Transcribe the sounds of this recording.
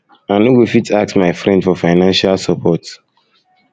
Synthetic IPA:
ãnowifitak̚smaɪfɹɛ̃ndfɔfaɪnãnʃalsapʰɔt

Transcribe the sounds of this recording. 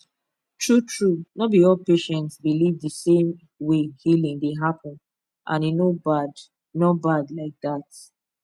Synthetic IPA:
tʰɹutʰɹunɔbiɔlpeʃɛ̃ntsbilivðəsẽm | wehilĩŋdeɦapɔ̃n | ʔã̰ninobad | nɔbadlaɪk̚ðat

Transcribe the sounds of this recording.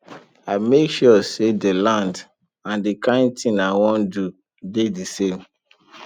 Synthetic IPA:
aɪmekʃɔsedəlãnd | ãndikãɪ̃n̚tʰĩnawɔ̃ndu | dedisẽm

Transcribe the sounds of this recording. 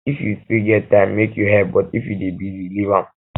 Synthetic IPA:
ifjufiɡɛtãɪ̃mːekjuɦɛb̚bɔtifjudebizilivãm

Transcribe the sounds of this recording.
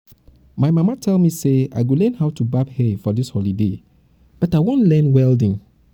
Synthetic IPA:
maɪmamatʰɛlˠmisea̰ɪɡolɛ̃nhawtubabhɛfɔdishɔlide | b̥ɔtaɪwõnlɛ̃nwɛldĩŋ

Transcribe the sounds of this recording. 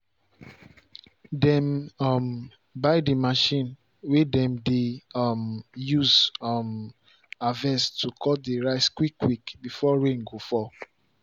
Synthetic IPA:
dɛ̃mɔm | baɪdimaʃĩn | wedɛ̃mdemjuzm | avɛstʰukʰɔdeɹaɪskwikːwikbifɔɹẽŋɡofɔ

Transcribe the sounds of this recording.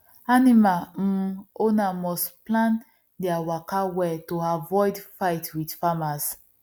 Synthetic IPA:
animal̩ | onamɔsplãn | dɛawakawɛtoavɔɪdfajtwidfamas

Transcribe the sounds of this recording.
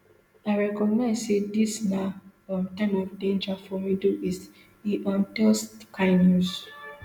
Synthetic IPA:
aɪɹɛkɔɡnaɪzsedisnaɔtãɪ̃mɔvdẽnd͡ʒafɔmiduis | iʔɔ̃ntɛskʰãɪnjus

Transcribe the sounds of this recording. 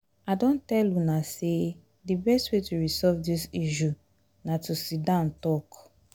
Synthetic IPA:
adɔ̃ntɛlunase | dibɛstwetuɹisɔvdisiʃu | natusidãntɔk

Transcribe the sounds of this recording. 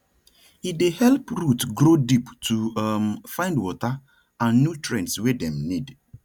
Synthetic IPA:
hidehɛlpɾutɡɾodiptʰumfãɪ̃ndwɔta | ãnːjutɹɛ̃ntswedɛ̃mnid

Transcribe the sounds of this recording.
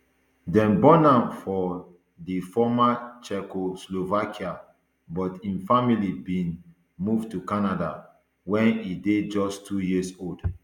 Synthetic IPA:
dɛ̃nbɔ̃nãmfɔ | difɔmat͡ʃɛkoslovakʰia | bɔtĩnfamilibĩn | muvtukanada | wɛ̃nided͡ʒɔstʰujisold

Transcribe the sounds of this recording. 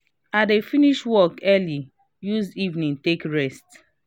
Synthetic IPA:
adefiniʃwɔkɛli | juzivnĩntekɹɛst

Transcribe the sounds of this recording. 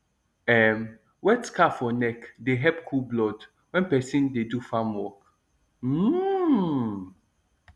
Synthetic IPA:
ɛm | wɛtskafɔnɛkdeɦɛpkʰulblɔd | wɛ̃npɛsĩndedufãmwɔk̩

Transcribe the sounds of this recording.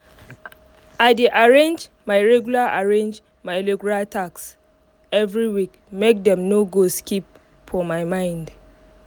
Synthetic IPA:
aɪdeʔaɹẽnd͡ʒ | majɹɛɡjulaʔaɹẽnd͡ʒ | maɪlɛɡulatʰaks | ɛvɹiwik | mek̚dɛ̃mnoɡoskip | fɔmajmãɪ̃nd

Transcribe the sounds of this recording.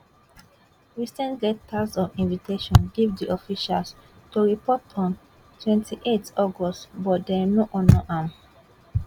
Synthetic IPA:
ɹisɛ̃ntdɛk̚tʰasɔvĩnviteʃɔ̃nɡivdiʔɔfiʃals | tuɹipɔtʰɔ̃n | tʰwɛ̃ntʰiʔetɔɡɔstbɔt̚dɛnoʔɔ̃nɔʔãm

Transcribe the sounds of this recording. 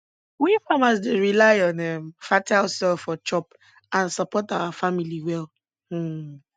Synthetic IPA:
wifamasdeɹilaɪɔ̃nɛmfataʊsɛlfɔt͡ʃɔp | ãnsɔpɔtawafamiliwɛl̩

